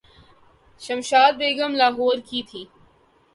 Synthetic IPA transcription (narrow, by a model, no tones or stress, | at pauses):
ʃɐmʃaːd̪̚beːɡəmlaːɦɔːɾkiːt̪ʰiː